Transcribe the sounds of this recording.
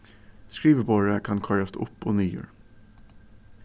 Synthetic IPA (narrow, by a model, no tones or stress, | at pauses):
skɾiːʋəboɾəkʰɑnkʰɑɾɑst̪ʔʊ̰pːoːnyːjø̰ːɾ